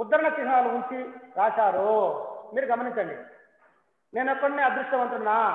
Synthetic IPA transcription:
ud̪ːɐɾɐɳɐsiɦɐnaːluuɲt͡ʃiɾaːʃaːɾoːmiːɾuɡɐmɐniɲt͡ʃːɐɳɖḭ | ne̞ːnɔkːɐɽneːɐd̪ɾuʂʈɐmɐɳʈunːaː

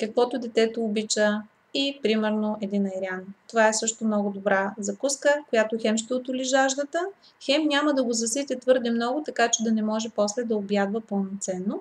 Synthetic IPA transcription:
kɐkvɔt̪ʊd̪ɛt̪ɛt̪oːbit͡ʃə | ipɾimɛɾnoɛd̪inɐjɾʲiant̪ovaɛsɤʃt̪omnɔɡʊd̪obɾazɐkuskəkojat̪oxɛmʃt̪ɛʊt̪ʊliʒaʒd̪ət̪ə | xɛmnʲaməd̪ɐɡozɐsit̪ʲɛt̪vɤɾd̪ɛmnɔɡʊt̪ɐkat͡ʃɛd̪ɐnɛmɔʒɛpɔslɛd̪ɐobjad̪vəpəlˠnot̪sɛnːo

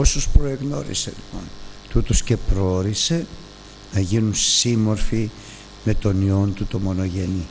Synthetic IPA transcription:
o̞sospɾo̞e̞ɣno̞ɾḭse̞̰lipo̞̰nt̪ut̪osce̞pɾooɾise̞ | nɐʝinunsimo̞ɾfi | me̞t̪o̞nio̞nt̪ut̪o̞mo̞no̞ʝe̞ni

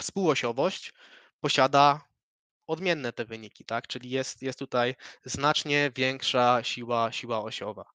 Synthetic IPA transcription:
fspuwɔɕɔvɔɕt͡ɕ | pɔɕad̪a | ɔd̪mʲjɛnːɛt̪ɛvɘɲikʲi̥t̪akt͡ʂɘlʲijɛst̪jɛst̪ːut̪ajznat͡ʂɲɛvʲjɛŋkʂaɕiwaɕiwaɔɕɔva̰

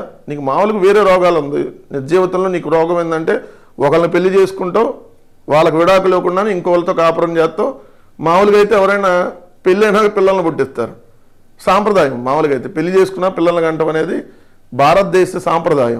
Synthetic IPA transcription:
niːkumaːʋɐlɐkuʋeːɾe̞ːɾɔːɡaːlund̪ḭnid͡ʒɐjʋɐt̪ɐmlo̞ːniːkuɾɔːɡɐmɐjnd̪ɐɳʈe̞ː | ɔkɐlɐnupe̞lːit͡ʃe̞ːsu̥kuɳʈoː | ʋaːɭːɐkuʋiɽaːkuleːkuɳɖaːniŋkoːʋɐlːɐt̪oːkaːpɐɽɐmt͡ʃɛːt̪ːoː | maːʋɐlukɐjt̪e̞ːɛʋɐɾɐjnaː | pelːiɐjnaːɡpilːɐlɐnubuʈːist̪a̰ːɾu | saːmpɾɐd̪aːjɐmːaːʋɐlukɐjt̪eːpe̞lːit͡ʃe̞ːsukunːaːpɪlːɐlɐnɐɡɐɳʈɐmɐne̞ːd̪i | bʱaːɾɐt̪̚d̪eːʃɐsaːmpɾɐd̪aːjɐ̰m

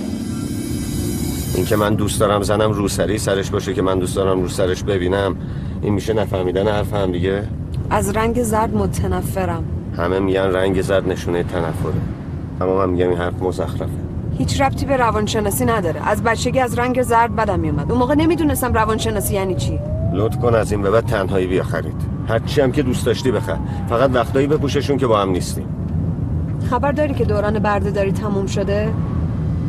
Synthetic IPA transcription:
ʔḭŋcʰe̞mænd̪uːstd̪ɒːɾæmzænæmruːsæɾisæɾeʃbɒːʃecʰemænd̪uːstd̪ɒːɾæmɾuːsæɾeʃbe̞biːnæm | ʔḭnmiʃenæfæɾmiːd̪ænehæɾfehæmd̪iɟe | ʔæzɾæŋɟezæɾd̪mot̪ʰænæfːe̞ɾæm | hæmemiɟænræŋɟe̞zæɾd̪ne̞ʃuːnejet̪ʰænæfːoɾe | ʔæmːɒːmænmiɟæminhæɾfemozæxɾæfe | hiːt͡ʃʰræbt̪ʰiːbeɾævɒnʃe̞nɒːsiːnæd̪ɒːɾḛʔæzbæt̪t͡ʃʰːe̞ɡiæzɾæŋɟe̞zæɾd̪̚bæd̪æmːijumæd̪umoːɣene̞miːd̪uːnest̪æmrævɒnʃe̞nɒːsiːjæːniːt͡ʃʰi | lot̪kʰonæzinvæβæt̪̚ʰænɦɒːiːbijɒːxæɾḭːd̪̥ | hæɾt͡ʃʰiæmcʰe̞d̪ust̪ɒʃt̪iːbe̞xæ̰ɾ | fæɣæd̪væxt̪ɒːibe̞puːʃeʃuncebɒːhæmnist̪ḭm | xæbæɾd̪ɒːɾikʲcʰe̞d̪oːɾɒːnebæɾd̪ed̪ɒːɾit̪ʰːæmumʃod̪e

